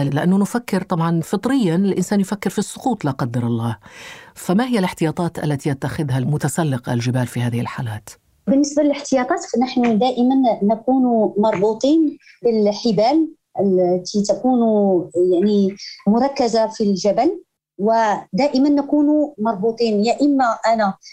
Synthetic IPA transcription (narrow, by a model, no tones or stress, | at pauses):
lɪʔanːʊnʊfakːɪɾt̪ˤɑbʕɑnfɨt̪ˤɾɪjːanɪlʔɪnsæːnjʊfækːɪɾfisˤːʊquːt̪ˤlaqɑd̪ːɑɾˤɑlˤːɑːhfamahɪjːælɪħt̪ɪjɑːt̪ˤɑːt̪ʔa̰lːæt̪iʔat̪ːaxɪd̪ɦalmʊt̪asælːɪqʔa̰lʒɪbæːlfihæːðɪhɪlħaːlæːt̪ | bɪnːəsbalɪlɪħt̪ɪjɑt̪ˤɑːt̪fnaħnʊd̪æːʔɪmanːakuːnmɑɾˤbuːt̪ˤiːnbəlħɪbæːl | ʔəlt̪it̪akuːnjaʕnimʊɾˤɑkːazafilʒæbæl | wəd̪æːʔɪmanːakuːnmɑɾˤbuːt̪ˤiːnjaʔəmːaʔæna